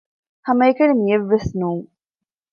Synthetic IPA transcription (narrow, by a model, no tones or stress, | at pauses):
hɐmɐekɐnimijeʋːesnuːŋ